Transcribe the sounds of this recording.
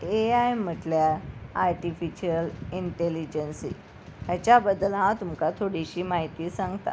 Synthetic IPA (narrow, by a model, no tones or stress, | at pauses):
eaem̤ːəʈljaaɾʈifiɕiəliɳʈelid͡ʑənsḭː | tjat͡ɕjabəd̪ːəlɦãt̪umkat̪ʰoɽiɕiːmaɦit̪iːsãŋɡt̪a̰